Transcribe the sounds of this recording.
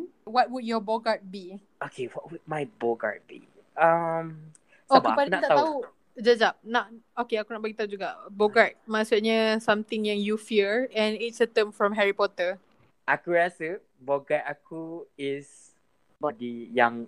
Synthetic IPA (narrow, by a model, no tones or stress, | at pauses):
wɔt̚wud̚jɔbɔɡat̚bi | okʰewɔt̚wud̚majbɔɡa̰t̚bḭ | am | soabpanaat̪at̪au | d͡ʒad͡ʒap̚naʔokeakunaʔ̚baɡit̪aud͡ʒuɡaʔboɡat̚masuʔɲasãmt̪ɪ̃ŋjãŋjufiəɹɛ̃nitsət̪ə̃mfɹɔ̃mɦɛɹipɔt̪ə | ʔakuɹasə | bɔɡatakʰuɪs | madijãŋ